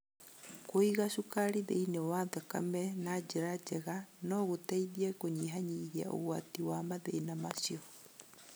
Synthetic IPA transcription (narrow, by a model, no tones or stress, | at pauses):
koiɣaʃukaɾiðḛinewaðaka̰mɛnad͡ʒeɾad͡ʒɛɣanɔɣotaiðiɛkoɲiɦaɲiɣia̰ʔo̰ɣwatiwamaðeːnamasiɔ